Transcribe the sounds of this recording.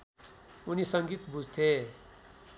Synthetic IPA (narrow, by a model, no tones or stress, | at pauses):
unisʌŋɡit̪bud͡zʱt̪ʰe